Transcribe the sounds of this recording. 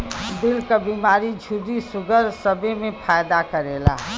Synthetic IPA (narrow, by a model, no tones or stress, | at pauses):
d̪ɪlkabiːmaːɾid͡ʒʱuɾisʊɡʱəɾsəbemẽpʰaːjd̪akəɾeːla̰ː